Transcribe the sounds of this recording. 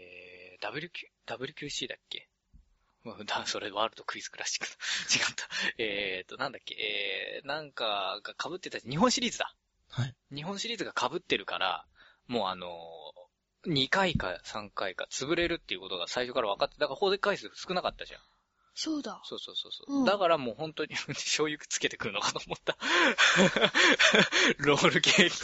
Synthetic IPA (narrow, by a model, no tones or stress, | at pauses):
ed̪̥abɯ̟ɾʲɯ̟kʲːd̪̥abɯ̟ɾʲɯ̟kʲɨːɕiːd̪akːe̞̰ | ɯ̃d̪aso̞ɾeβaːɾɯ̟t̪o̞kɯ̟izɨ̥kɯ̟ɾaɕi̥kːɯ̥t̪ot͡ɕiɡat̪ʰːḁet̪ːo̞nãnd̪akʲːe̞̰ʔenãŋkaɡakabɯ̟t̪ːet̪at͡ɕaɲiɦõ̞ɰ̃ɕiɾʲiːzɨd̪a̰ | haɲ̟iɦõ̞ɰ̃ɕiɾʲiːzɨɡakʰabɯ̟t̪ːe̞ɾɯ̟ka̰ɾa̰ | mo̞ːa̰no̞ | ɲ̟ikaika̰sãŋkaika̰t͡sɨbɯ̟ɾe̞ɾɯ̟t̪ːeiɯ̟ko̞t̪o̞ɡasaiɕo̞kaɾaβ̞akat̪ːed̪akaɾhoːzekːaisɨsɨ̥kɯ̟nakat̪ːaʑã̰ | soːd̪aso̞ːso̞ːso̞̰ːso̞̰ːd̪akaɾamoːɦõ̞nt̪o̞ɲ̟iɯɕo̞ːjɯkɯ̥t͡sɨ̥ke̞t̪e̞kɯ̟ɾɯ̟no̞kḁt̪o̞ːmo̞t̪ːa | ɾo̞ːɾɯ̟keːkʲ